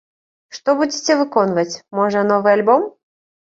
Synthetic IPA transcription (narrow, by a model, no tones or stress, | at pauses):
ʂt̪ɔbud͡zʲit͡sʲɛvɨkɔnvɐt͡sʲmɔʐɐnɔvɨalʲbɔm